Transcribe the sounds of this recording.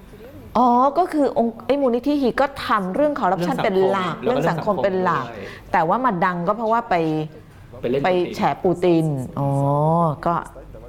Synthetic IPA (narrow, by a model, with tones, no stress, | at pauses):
ʔɔː˨˧˦kɔː˥˩kʰɯː˧ʔo˧ŋʔa˥˩jmuː˧ni˦˥t̪ʰiː˥hiː˧kɔː˥˩t̪ʰa˧mɾɯ˥˩əŋkʰɔː˧ɾa˦˥p̚t͡ɕʰa˥˨npe˧nla˨˩k̚ɾɯ˥˩˨ŋsa˨˩˦ŋkʰo˧mpe˧nlaː˨˩k̚t̪ɛː˨˩waː˥˩maː˧da˧ŋkɔː˥˩pʰɾɔ˦˥waː˥˩pa˧j | pa˧jt͡ɕʰɛː˩˦˥puː˧t̪i˧nʔɔː˩˦kɔː˥˩